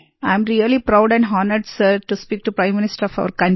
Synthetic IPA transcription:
ãɪ̃mɾiəlipɾaʊɖɛ̃ɳɖɦɔːnəɖsəɾʈuspiːk̚ʈupɾãɪ̃mːɪnɪsʈəɾɔfa̰ʊəɾkɐ̃ɳ

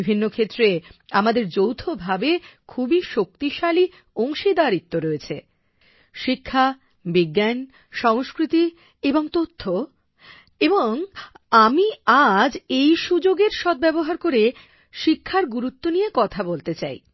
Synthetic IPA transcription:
ibʱinːokʰet̪ːɾeamad̪eɾd͡ʑowt̪ʰobʱabekʰubiʃok̚t̪iʃali | oŋʃid̪aɾit̪ːoɾoet͡ɕʰe | ʃikʰːa | biɡːan | ʃɔŋskɾit̪i | eboŋt̪ot̪ʰːo | eboŋ | amiad͡ʑejʃud͡ʑoɡeɾʃɔd̪̚bɛboɦaɾkoɾe | ʃikʰːaɾɡuɾut̪ːonijekɔt̪ʰabolt̪et͡ɕa̰j

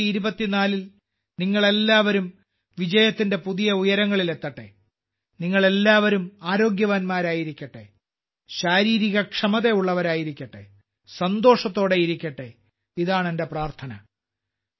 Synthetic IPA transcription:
iɾubɐt̪ːinaːlil | niŋːɐɭe̞lːaːʋɐɾum | ʋid͡ʑɐjɐt̪ːinde̞puðijɐujɐɾɐŋːɐɭile̞t̪ːɐʈːḛ | niŋːɐɭe̞lːaːʋɐɾumaːɾo̞ːɡjɐʋaːnmaːɾaːjiɾikʲːɐʈːe̞̰ | ɕaːɾiːɾiɣɐkʂɐmɐðe̞uɭːɐʋɐɾaːjiɾikʲːɐʈːḛ | sɐnd̪o̞ːʂɐt̪ːo̞ːɽe̞iɾikʲːɐʈːe | iðaːɳende̞praːrt̪ʰɐnɐ̰

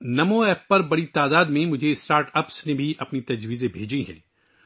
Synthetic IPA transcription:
nɐmõɛːpːɐɾbɐɽit̪aːd̪aːd̪mẽmʊd͡ʒʱeɪsʈaːɾʈɐpsnebʱiʔɐpnit̪ɐd͡ʒʋiːzẽbʱeːd͡ʒiɦɛ̰̃ː

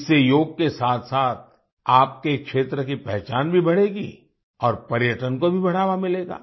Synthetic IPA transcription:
sejoːɡ̚kesaːt̪ʰsaːt̪̚ʰ | aːp̚kekʃeːt̪ɾəkipɛɦt͡ʃaːnbʱibɐɽeːɡḭ | ɔːɾpɐɾjəʈənkobʱibɐɽ̤aːʋamɪleːɡa̰ː

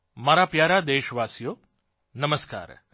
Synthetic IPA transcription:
maɾapjaːɾad̪eːʃʋaːsijoː | nɐməska̰ːɾ

